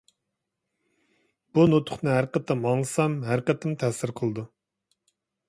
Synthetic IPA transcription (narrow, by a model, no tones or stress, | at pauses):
b̥unot̪ʰʊ̥χnɨɦæɾqət̪ʰɪmɑŋlˠɨsɑmɦæɾqət̪ʰɪmt̪ʰæsɪɾqʰəlˠɨd̪u